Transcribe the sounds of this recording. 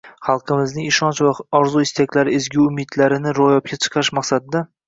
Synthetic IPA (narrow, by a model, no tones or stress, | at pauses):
χɑlˠqʰɨmɪznɪŋɪʃɒnt͡ʃvaɒɾzuɪst̪akʲlaɾɪɪzɡʲuʊmɪd̪laɾɪnɪɾojɒp̚kʲʰat͡ʃʰɨ̥qʰɑʃmɑqsad̪ɪd̪a